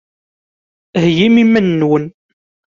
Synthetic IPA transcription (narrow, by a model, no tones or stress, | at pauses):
hjimimːənːwən